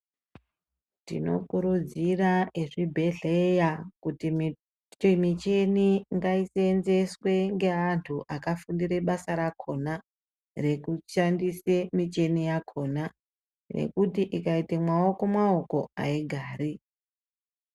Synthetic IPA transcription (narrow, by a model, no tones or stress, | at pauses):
tḭno̞̰kuɾud͡ziraeʐibʱe̞ɮejakuti | mit͡ʃe̞niŋɡaiseːnze̞swe̞ŋɡe̞antʰuʔakafundiɾe̞ɓasaɾakʰo̞na | re̞kuʃandise̞mit͡ʃe̞nijakʰo̞ːna | nḛkutiʔikaitemwao̞ko̞mwao̞ko̞a̰iɡʱaːɾi